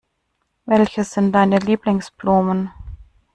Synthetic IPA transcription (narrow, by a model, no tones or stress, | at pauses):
vɛlçəsz̥ɪnt̚d̥aɪnəliːplɪŋsb̥lɔːmən